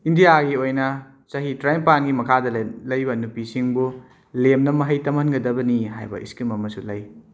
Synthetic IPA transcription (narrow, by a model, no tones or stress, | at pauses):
indijaɡiojnɐ | sɐɦitɾajmpanɡimɐkʰadɐlɐjbɐnupisiŋbu | lemnɐmɐɦɐjtɐmhɐnɡɐdɐbɐniɦa̰jbɐ̰ʔḭskimɐmɐsulɐj